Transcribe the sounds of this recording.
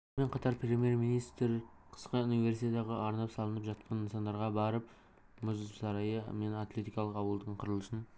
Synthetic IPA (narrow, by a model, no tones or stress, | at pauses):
me̞ɴqʰɑt̪ɑɾpre̞mije̞ɾminijst̪ɾqʰə̥sqəunive̞ɾsit̪et̪ɑʁəɑɾnɑpsɑlˠənəpʒɑt̪̚qʰɑninsɑnd̪ɑɾʁɑbɑɾəp̚ | mʊzzsɑɾɑjəme̞nat̪lʲe̞t̪ijkɑlˠəqɑwəlˠd̪əɴqʰʊɾəlˠəʃən